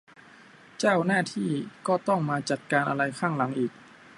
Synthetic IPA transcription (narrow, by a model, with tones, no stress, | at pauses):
t͡ɕaː˥˩wnaː˥˩t̪ʰiː˥˩kɔː˥˩t̪ɔ˥˩ŋmaː˧t͡ɕa˨˩t̪̚kaː˧nʔa̰˧ɾa˧jkʰaː˥˩ŋla˩˦ŋʔiː˨˩k̚